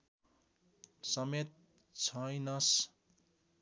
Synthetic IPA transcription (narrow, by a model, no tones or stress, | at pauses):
sʌmet̪̚ | t͡sʰʌjnʌs